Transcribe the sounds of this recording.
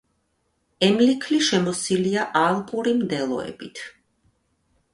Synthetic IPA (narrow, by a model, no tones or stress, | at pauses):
ɛmlikʰliʃɛmɔsiliaʔalˠpʼuɾimd̪ɛlˠɔ̰ɛ̰b̥it̪ʰ